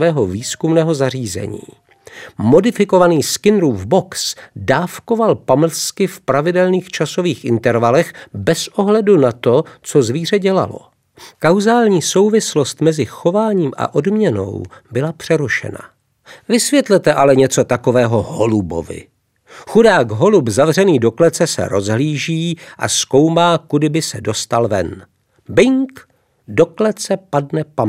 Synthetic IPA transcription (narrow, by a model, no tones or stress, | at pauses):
vɛːɦo̞viːskumnɛːɦo̞zar̝iːzɛ̰ɲḭː | mo̞dɪfɪko̞vaniːskɪnɾuːvboksdaːfko̞valpaml̩skɪfpɾavɪdɛlniːxt͡ʃaso̞viːxʔɪnt̪ɛɾvalɛxbɛsʔo̞ɦlɛdunat̪o̞t͡so̞zviːr̝ɛɟɛla̰lo̞̰ | kawzaːlɲiːso̞wvɪslost̪mɛzɪxo̞vaːɲiːmʔa̰ʔodmɲɛno̞̰wbɪlapr̝̥ɛɾuʃɛ̰na̰ | vɪsvjɛt̪lɛt̪ɛʔalɛɲɛt͡so̞t̪ako̞vɛːɦo̞ɦolubo̞̰vɪ̰ | xudaːɡɦo̞lubzavr̝ɛniːdo̞klɛt͡sɛsɛ̰ɾo̞zɦliːʒiːʔa̰sko̞wmaːkudɪbɪsɛdo̞st̪alvɛ̰n | bɪŋk | do̞klɛt͡sɛpadnɛpa